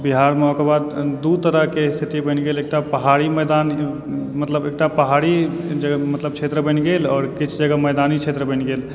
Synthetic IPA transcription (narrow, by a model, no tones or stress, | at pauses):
biɦaːɾmɔːkbaːd̪d̪ut̪əɾəɦkest̪ʰɪt̪ibənɡeːleːk̚ʈapəɦaːɾimɛːd̪aːn | mət̪ləbeːk̚ʈapəɦaːɽi | d͡ʒəɡmət̪ləb̚t͡ʃʰeːt̪ɾəbənɡeːlɔːɾkɪt͡ʃʰd͡ʒəɡəmɛːd̪aːnit͡ʃʰeːt̪ɾəbə̃nɡeːl